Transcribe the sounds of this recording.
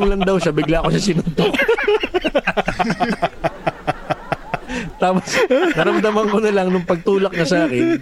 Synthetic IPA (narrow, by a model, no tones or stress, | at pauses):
ŋlɐnd̪ɐwʃɐbɪɡlaːkoʃɐsɪnʊnt̪o | t̪aːposnɐɾɐmd̪ɐmɐŋkonɐlɐŋnʊŋpɐɡ̚t̪uːlɐk̚nɐsaːkɪn